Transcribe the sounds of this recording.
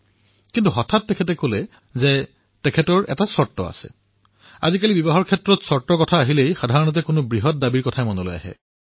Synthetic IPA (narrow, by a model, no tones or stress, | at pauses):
kintuɦɔtʰatːɛkʰɛtɛkolɛ | zɛ | tɛkʰɛtɔɹɛ̰tasɔɹtːɔ̰a̰sɛ̰ | a̰zikalibibɔɦɔɹkʰɛtɹɔtsɔɹtːɔkɔtʰaːɦilejxadʱaɹɔnɔt̬ɛkʊnobɹiɦɔt̚dabiɹkɔtʰajmɔnolo̰ja̰ɦɛ̰